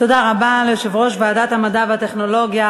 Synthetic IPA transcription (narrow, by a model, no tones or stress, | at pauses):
t̪od̪aʁabaleʃevʁoʃvaːd̪at̪hamadavat̪eχnoloɡja